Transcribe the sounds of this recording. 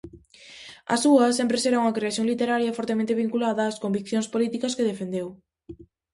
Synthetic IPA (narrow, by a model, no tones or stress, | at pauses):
ɐ̰suɐsẽmpɾeseɾauŋɐkɾeaθjoŋlit̪eɾaɾjɐfɔɾt̪emẽnt̪eβ̞iŋkulaðɐːskombikθjõŋspolit̪ikɐskeðefend̪ew